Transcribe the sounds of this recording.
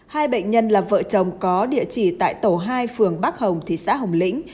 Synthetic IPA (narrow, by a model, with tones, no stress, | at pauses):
haː˧jɓə̰˧˨jŋ̟ɲə˧nlaː˨˩və̰ː˧˨t͡ɕə˨˩wŋ͡mkɔ˨˦ɗḭ˧˨ət͡ɕi˧˩t̪a̰ː˧˨jt̪o˧˩ɦaː˧jfɨ˨˩əŋɓa˦˥k̚hə˨˩wŋ͡mt̪ʰi˨˩sa̰ː˧˥ɦə˨˩wŋ͡mlḭ̈˧˥ŋ̟